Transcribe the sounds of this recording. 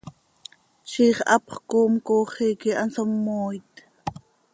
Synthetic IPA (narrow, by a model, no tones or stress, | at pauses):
t͡ʃiːχʔɑpχkoːmkoːχiːkiʔɑnsomːoːjt̪